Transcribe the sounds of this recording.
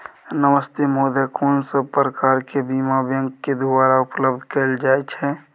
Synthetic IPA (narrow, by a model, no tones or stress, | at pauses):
nəʋəst̪ʰemoːd̪ʱəkoːnsəb̚pɾəkaːɾkebiːmabjə̃ŋɡked̪ubaɾaʊpləbd̪ʱkəld͡ʒaːɛt͡ʃʰɛ